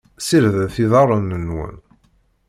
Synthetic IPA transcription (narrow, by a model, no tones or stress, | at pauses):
siɾðəθiðɑɾˤənːənːwə̰n